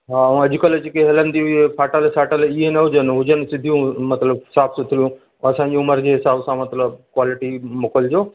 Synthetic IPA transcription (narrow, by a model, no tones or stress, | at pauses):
ɦaɐ̃ɐʄɪkələt͡ɕkeɦɐlənd̪iɦʊepʰaːʈəlsaːʈəlɪɦenɐɦʊd͡ʑənɦʊd͡ʑənsɪd̪ʱijũmɐt̪ləbɦɪsaːbsʊt̪ʰɪlijũ | ɐsãːɲd͡ʑiʊməɾd͡ʑeɦɪsaːbsãmɐt̪ləb̚kwaːlɪʈimoːkəld͡ʑoː